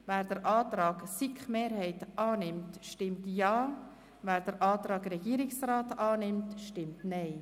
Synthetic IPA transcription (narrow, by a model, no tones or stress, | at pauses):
væːɾdəɾʔɑːtɾɑːɡsikχmeːɾhɛɪtʔɑːnɪmtʃtɪmtjɑː | væːɾd̥əɾʔɑːtɾɑːɡɾɛɡiːəɾɪksraːtɑːnɪmtʃtɪmtnɛɪ